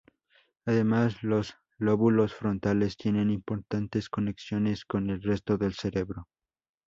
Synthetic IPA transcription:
aðe̞maslo̞s | lo̞βulo̞sfɾo̞nt̪ale̞st̪je̞ne̞nimpo̞ɾt̪ant̪e̞sko̞ne̞ksjo̞ne̞sko̞ne̞lre̞st̪o̞ðe̞lse̞ɾe̞βɾo̞

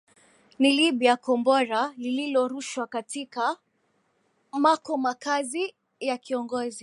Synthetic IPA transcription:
niliɓiakɔmbɔɾalililɔɾuʃwakatika | makɔmakazi | jakiɔŋɡɔzi

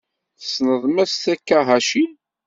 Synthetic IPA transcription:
θə̥snəðˤmæsθækːæɦæʃin

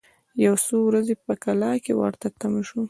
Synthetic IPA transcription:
jawsowɾazepəkalɑkewa̰ɾt̪at̪amʃu

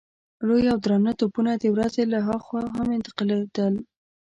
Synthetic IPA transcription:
lojawd̪ɾɑmnat̪opunad̪əwɾazelaɦɑxwɑɦamɪnt̪ɪ̥qɑled̪̥əl

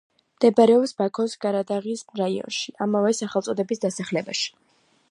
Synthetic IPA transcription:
md̪̥ɛbaɾɛɔpsbakʰɔsɡaɾad̪aʁismɾaiɔ̰nʃiamavɛsaχɛlˠt̪sʼɔd̪ɛbisd̪asaχlɛbaʃi̥

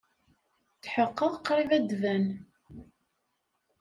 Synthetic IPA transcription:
θħəqːəʁqːɾˤivæd̪væn

